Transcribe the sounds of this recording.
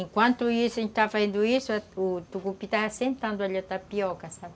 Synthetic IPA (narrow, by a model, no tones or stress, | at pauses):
ĩŋkwãnt̪uisuĩt̪afaẽnd̪uisuaut̪ukupit̪aɦasẽmt̪ãnd̪ualat̪apjokasabi